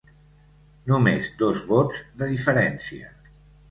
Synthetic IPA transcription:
numezd̪ozβɔzðəðifəɾɛnsiə̰

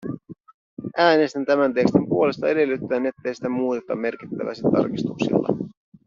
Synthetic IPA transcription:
ʔæːne̞st̪ænt̪æmænt̪ekst̪impuo̞le̞st̪ɑe̞de̞lːyt̪ːæːne̞t̪ːe̞jsi̥t̪æmuːt̪et̪ːɑmːe̞rkit̪ːæ̰ʋæ̰jset̪ːɑ̰rkist̪uksḭlːɑ̰

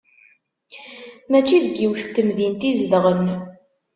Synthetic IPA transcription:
mæt͡ʃːiðəɡːiwθt̪əmðint̪izlʁən

